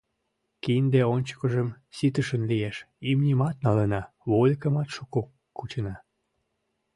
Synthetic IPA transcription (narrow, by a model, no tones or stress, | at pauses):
kind̪eonʲt͡ɕə̥kəʒəm | sit̪əʃənlijeʃ | imnʲimɑt̪̚nɑlənɑ | βolʲkəmɑt̪ʃuko | kut͡ɕənɑ